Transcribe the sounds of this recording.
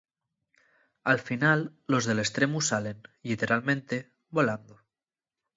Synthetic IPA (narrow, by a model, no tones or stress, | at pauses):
alfinalːo̞zðe̞le̞st̪ɾe̞musale̞nlit̪e̞ɾalmẽ̞nt̪e̞ | βo̞land̪o